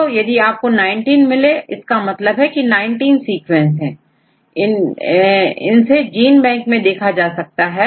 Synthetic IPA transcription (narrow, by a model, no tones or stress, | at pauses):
ojɐd̪iaːp̚konaːɪ̃ɳʈiːnmɪleɪskamɐt̪ləbɦɛkinaːɪɳʈiːnsiːkʋɛ̃nsɦɛ̃ː | ɪn | ɪ̰nsed͡ʒiːnbɛ̃ːŋkmẽd̪eːkʰad͡ʒaːsɐk̚t̪aɦɛː